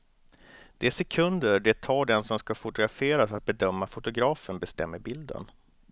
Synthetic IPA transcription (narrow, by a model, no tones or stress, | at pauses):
d̪̥ɛæsɛkʰɵnd̪əɾɖɛt̪ʰɑːɖɛnsɔmskafʊt̪ʊɡɾafeːɾasat̪̚bɛd̪œmːafʊt̪ʊɡɾɑːfənbɛst̪ɛ̰mːəɾbɪld̪ə̰n